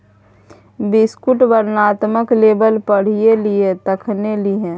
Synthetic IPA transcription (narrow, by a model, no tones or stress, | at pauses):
bɪskʊʈbəɾnaːt̪məkleːbəlpəɽ̤ieliet̪əkʰneliɦɛ̃ː